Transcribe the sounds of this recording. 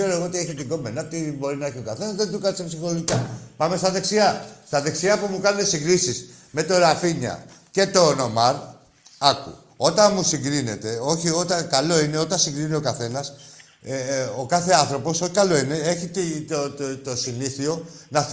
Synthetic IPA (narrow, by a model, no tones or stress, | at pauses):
e̞ɾoe̞ɣoot̪ieçit̪iɡo̞mbenɐt̪ibo̞ɾinɐeçiokɐθe̞nɐzðent̪ukɐnsepsixoloʝikɐpɐme̞st̪ɐðe̞ksiɐst̪ɐðe̞ksiɐpumukɐnunesiŋɡɾisisme̞t̪o̞ɾafiɲɐ̰ce̞t̪o̞no̞mɐɾ | ɐkṵ | o̞t̪ɐnmusiŋɡɾine̞t̪e̞o̞çio̞t̪ɐnkɐlo̞ine̞o̞t̪ɐnsiŋɡɾinio̞kɐθe̞nɐs | okɐθe̞ɐnθɾo̞po̞so̞çi̥kɐlo̞ine̞eçit̪it̪o̞siniθio̞ | nɐ